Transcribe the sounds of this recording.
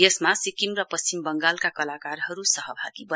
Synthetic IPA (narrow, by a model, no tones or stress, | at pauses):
esmasikimrʌpʌst͡ɕimbʌŋɡalkakʌlakarɦʌɾusʌɦʌbʱaɡibʌ